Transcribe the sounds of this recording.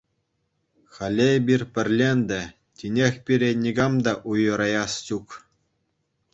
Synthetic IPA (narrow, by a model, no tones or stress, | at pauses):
χɑlʲebʲirʲpʲɘ̆rʲlʲenʲd̪ʲɘ | tʲinʲexʲpʲiɾʲenʲiɡɑmd̪ɑʔujɤ̆ɾɑjɑst͡ɕuk